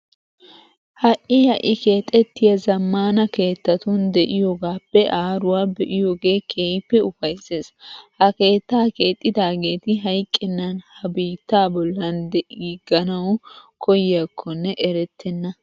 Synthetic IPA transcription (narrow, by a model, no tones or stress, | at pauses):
hɐʔɪhɐʔɪke̞ːt̪ʼːɛt̪ːɪjɐzɐmːaːnɐke̞ːt̪ːɐt̪ʊnd̪ɛʔɪjoːɡaːpːɛʔaːɾʊwaːbɛʔɪjo̞ːɡe̞ːkʰeːjpːɛʊfɐjse̞ːshɐke̞ːt̪ːaːke̞ːt̪ʼːɪd̪aːɡe̞ːt̪ɪɦɐjkʼːɪnːɐnhɐbiːt̪ːaːbɔlːɐnd̪ɛʔɡiɡɐnɐwkʰɔjjɐkʰːɔnːɛʔɛɾɛt̪ʰːɛnːɐ